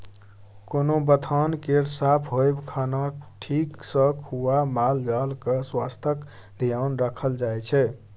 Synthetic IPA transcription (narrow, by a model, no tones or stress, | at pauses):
konobət̪ʰankeɾsapʰɦojbkʰanaʈʰiksə̃kʰuamald͡ʒalkəswast̪ʰək | d̪ʱijaʊnɾəkʰəld͡ʒajt͡ʃʰɛ